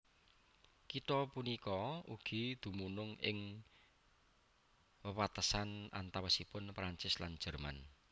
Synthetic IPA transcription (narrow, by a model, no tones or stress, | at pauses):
kit̪ɔpunikɔuɡ̥i̤d̪̥ṳmunʊŋɪ̰ŋ | wəwat̪əsana̰nt̪awəsipʊnpɾaɲt͡ʃɪslan̥ʒ̥ərma̰n